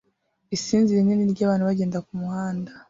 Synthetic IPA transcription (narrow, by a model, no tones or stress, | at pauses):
isiːnziɾineniɾɟaːβaːnhuβaɟe̞ːndakumuhaːnda